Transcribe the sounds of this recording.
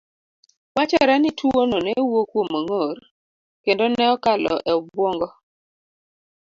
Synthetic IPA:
wat͡ʃɔɾɛnitʰuonɔnɛwokwomːaŋoɾ | kendonɛɔkalɔ̰ʔɛɔbwɔŋɡɔ

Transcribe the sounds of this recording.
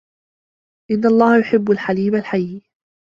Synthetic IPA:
ʔɪnːɑlˤːɑːhajʊħɪbːalħaliːmalħajːi

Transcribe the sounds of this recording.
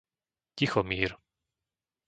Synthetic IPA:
cixɔmiːɾ

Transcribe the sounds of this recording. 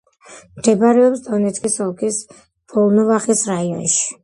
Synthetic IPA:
md̪̥ɛbaɾɛɔpsd̪ɔnɛt̪skʼisɔlˠkʰis | b̥ɔlˠnɔvaχisɾaiɔ̰nʃi̥

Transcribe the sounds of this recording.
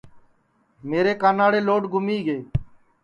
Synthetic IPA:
meːɾeːkaːnaːɽeːloːɖɡʱʊmiːɡeː

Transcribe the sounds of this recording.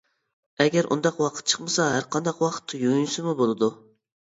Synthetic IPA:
ɛɡʲæɾʔṵnd̪ɑqwɑqʰə̥t̪̚t͡ʃʰə̥χmɨsɑɦæɾqʰɑnd̪ɑqwɑqʰə̥t̪ʰːujunsɨmubolˠɨd̪u

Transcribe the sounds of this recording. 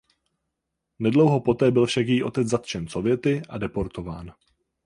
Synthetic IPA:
nɛdlowɦo̞po̞t̪ɛːbɪlfʃakjiːʔo̞t̪ɛt͡sd͡zzat̪t͡ʃɛnso̞vjɛt̪ɪʔadɛpo̞ɾt̪o̞vaːn

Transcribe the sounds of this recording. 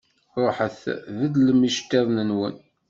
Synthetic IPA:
ɾˤoħəθðəd̪ləmiʃt̪ːeðˤnənwə̰n

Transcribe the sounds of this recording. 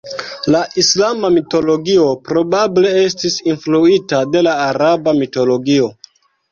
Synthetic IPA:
laʔislamamito̞lo̞ɡio̞pɾo̞bable̞e̞s̬tisinfluitade̞laːɾabamito̞lo̞ɡio̞

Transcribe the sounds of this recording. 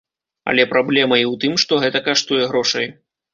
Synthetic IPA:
ɐ̰lʲɛpɾablʲɛmɐiwt̪ɨmʂt̪ɔɣɛt̪ɐkaʂt̪ujɛɣɾɔʂɐj

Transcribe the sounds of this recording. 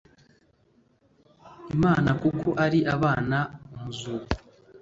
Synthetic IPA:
imaːnakukʰo̞ʔaɾiʔaβaːnaumuzuːɡu

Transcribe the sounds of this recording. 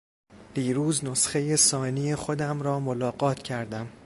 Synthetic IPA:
d̪̥iːɾuːznosχe̞je̞sɒːnijexod̪æmɾɒːmolɒːɢɒːt̪ʰcʰæɾd̪æm

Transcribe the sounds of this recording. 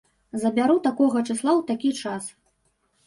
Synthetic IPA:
zɐbʲaɾut̪akɔɣɐt͡ʂɨslˠawt̪akʲit͡ʂas

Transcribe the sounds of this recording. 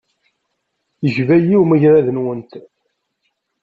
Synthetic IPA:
jəʒvæjiwmiʝɾæðənwənt̪

